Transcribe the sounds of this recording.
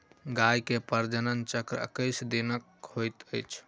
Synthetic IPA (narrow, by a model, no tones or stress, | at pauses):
ɡajkepəɾd͡ʒənənt͡ʃəkɾə̰kəjsd̪inəkhojt̪əjt͡ʃʰ